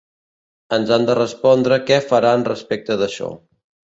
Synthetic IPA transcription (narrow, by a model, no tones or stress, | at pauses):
ənzand̪ərəspɔnd̪ɾəkɛfəɾanrəspek̚t̪əðəʃɔ̰